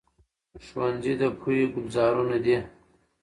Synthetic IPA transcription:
ʃwanzid̪əpʰujiɡʊbzɑːɾunad̪i

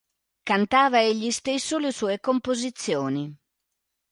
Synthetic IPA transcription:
kant̪aːvaeʎːist̪esːolesuːekompozit̪sːjɔːni

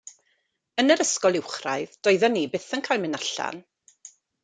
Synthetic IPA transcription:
ənəɾəskɔlˠɪwχra̰ɨðd̥ɔɨðɔnːiːbɪθənkʰaːjlˠmɪnaɬa̰n

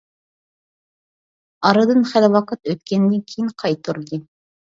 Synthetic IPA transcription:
ɑɾɨd̪ɨnχælwɑqət̪øt̪̚kʲɛnd̪ɪkʲʰijinqʰɑjt̪ʰːuɾd̪ɨ

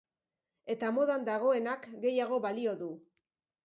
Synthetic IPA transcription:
e̞t̪amo̞ðand̪aɣ̞o̞e̞nakɡe̞jaɣ̞o̞βalio̞ðu

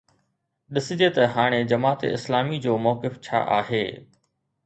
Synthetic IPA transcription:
ɗɪsɪd͡ʑet̪ɐɦaːɽ̃ed͡ʑɐmaːt̪ḛɪslaːmid͡ʑoːmɔːkɪft͡ɕʰa̰ːʔa̰ːɦeː

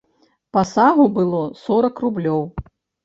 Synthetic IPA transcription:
pɐsaɣubɨlˠɔsɔɾɐkrublʲɔw

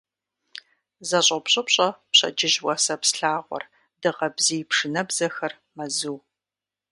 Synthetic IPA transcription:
zɐɕʼɐpɕʼɐpɕʼɐpɕɐ̰d͡ʒɪʒwɐsɐpsɬaːʁʷɔ̰r | dɨʁɐbzijpʂɨnɐbzɐxɐr | mɐzɨw

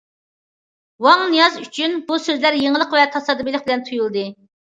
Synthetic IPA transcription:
wɑŋnijɑzyt͡ʃʰynbusøzlæɾjeŋəlˠəqvɛt̪ʰɑsɑd̪ɨbilɪχ̚bɪlɛnt̪ʰujulˠd̪ɨ

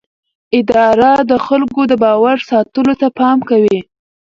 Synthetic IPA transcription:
ɪd̪ɑɾad̪əxalkod̪əbɑwaɾsɑt̪əlot̪apɑmkawi

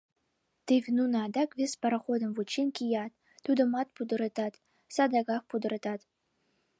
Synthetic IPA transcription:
t̪evʲnunɑd̪ɑkvʲespɐɾaχod̪ɤ̆mvut͡ɕːinkʲijɑt̪ːud̪ɤ̆mɑt̪̚pud̪ɤ̆ɾɤt̪ɑt̪ | sɑd̪ɑɡɑxpud̪ɤ̆ɾɤt̪ɑt̪

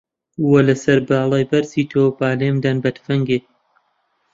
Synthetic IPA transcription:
wɐlɐsɐɾbaːlˠɑːjbɐɾsiːt̪ʰoːbaːleːmd̪anbɐt̪fɐŋɡeː

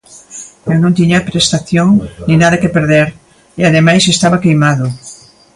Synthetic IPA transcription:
ewnõnt̪iɲapɾest̪aθjoŋnĩnaðɐkepeɾðeɾ | eaðemajsest̪aβakejmaðo

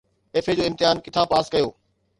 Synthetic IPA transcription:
eːfed͡ʑoːɪ̃mt̪ɪɦaːnkɪt̪ʰãpaːskɐjoː

